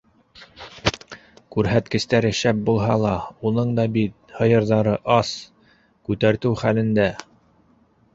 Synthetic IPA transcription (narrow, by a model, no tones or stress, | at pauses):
kʉɾɦæt̪kɘ̆st̪æɾɘ̆ʃæp̚bulˠɦɑlˠɑunɤɴd̪ɑbit̪̚hɤ̆jɤ̆ɾðɑɾɤʔɑs | kʉt̪æɾt̪ɘwχælɘ̆nd̪æ